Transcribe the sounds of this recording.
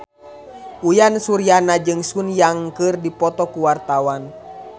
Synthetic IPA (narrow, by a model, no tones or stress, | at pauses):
ʔujansuɾijanad͡ʒɨŋsunjaŋkɨrdipɔt̪ɔkuwart̪awan